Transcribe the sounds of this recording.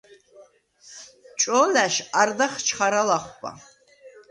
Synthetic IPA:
t͡ʃʼolaʃard̪aχt͡ʃʰχaɾalaχʷpʼa̰

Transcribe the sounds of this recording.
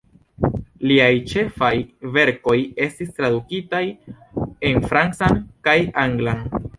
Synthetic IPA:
liajt͡ʃe̞fajve̞ɾko̞je̞stistɾadukitaj | e̞nfɾant͡sankajaŋɡlan

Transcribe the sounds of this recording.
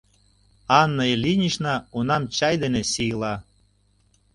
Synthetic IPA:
ɑnːəjlinʲiʃnɑunɑmt͡ɕɑjd̪enesijlɑ

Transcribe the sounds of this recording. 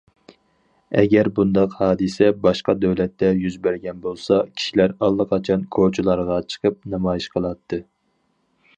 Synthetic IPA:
ɛɡʲɛɾbund̪ɑqhɑːd̪ɨsɛbɑʃqɑd̪øwlɛt̪ːɛjyzbæɾɡʲɛnbolˠsɑkʲʰi̥ʃilæɾɑlˠːəqʰɑt͡ʃʰɑnkʰot͡ʃʰulˠɑɾʁɑt͡ʃʰə̥qʰəp̚nɑmɑjiʃqʰəlˠɑt̪ʰːɨ

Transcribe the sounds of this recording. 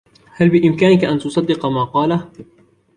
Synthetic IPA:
halbɪʔɪmkaːnɪkaʔant̪ʊsˤɑd̪ːɪqɑmaːqɑːla

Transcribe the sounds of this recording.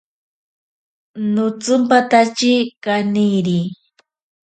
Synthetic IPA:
nʊt͡sʊmpat̪at͡ʃikaniɾi

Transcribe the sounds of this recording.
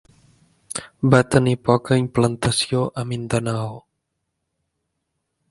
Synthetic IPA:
bat̪ənipɔkaimplant̪asioʔamind̪anaw

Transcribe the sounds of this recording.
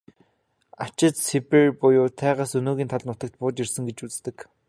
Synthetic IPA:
at͡ɕɪ̆t̪siperpʊjʊːt̪ʰæːʁaːsɵnoːɣʲiːnt̪ʰaɮnʊt̪ə̆k̚t̪pʊːt͡ɕirsɘ̆ŋɡet͡ɕut͡st̪ɘ̆k

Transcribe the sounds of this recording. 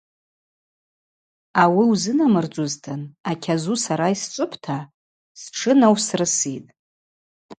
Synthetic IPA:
awiwzɨnamɨrd͡ʒʷʼʊztʰɨnakʲʰazusaɾaist͡ʃʷʼɨpʰtʰa | sʈ͡ʂʰɨnawsrɨsitʼ

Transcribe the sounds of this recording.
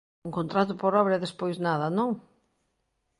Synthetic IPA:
uŋkõnt̪ɾat̪ʊpoɾɔβɾɐɛðespojznaðɐnõŋ

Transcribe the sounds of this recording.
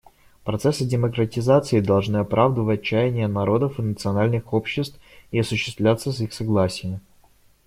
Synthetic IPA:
pɾɐt̪sɛsɨdʲɪməkɾətʲɪzat̪sɨɪd̪ɐlˠʐnɨɐpɾʔavd̪əvətt͡ɕːæjɪnʲɪjənɐɾo̞d̪əfɨnət̪sɨɐnalʲnɨxopɕːɪst̪fɪɐsʊɕːɪst̪vlʲat̪sːəs̬ixsɐɡlˠasʲɪjəm

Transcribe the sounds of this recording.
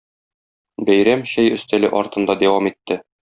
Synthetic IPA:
bæjɾæmɕæjɵ̆st̪ælɘʔɒɾt̪ɤ̆nd̪ɑd̪æwɑmit̪ːɘ

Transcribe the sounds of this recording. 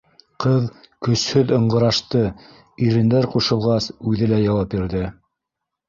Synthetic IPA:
qɤð | kɵ̆shɵðɤ̆ɴɢɤ̆ɾɑʃt̪ɤ | iɾɘ̆nd̪æɾquʃɤ̆lˠʁɑsʉðɘlæjɑwɑp̚biɾðɘ

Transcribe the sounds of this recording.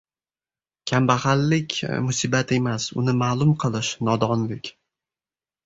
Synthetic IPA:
kʲʰambahalːɪkʲmʊsibat̪ʰe̞masʊ̰nɪmaːlˠʊmqʰɨlˠɪʃnɒd̪ɒnlɪkʲ

